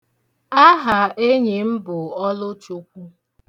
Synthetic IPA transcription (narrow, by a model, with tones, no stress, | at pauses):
a˦ɦa˨e˦ɲe˨m̩˦bʊ˨ɔ˦lʊ˦t͡ʃu˦kʷu˦